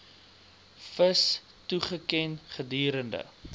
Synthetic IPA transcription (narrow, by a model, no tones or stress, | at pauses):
fəs | tuχəkɛnχədiːɾəndə̰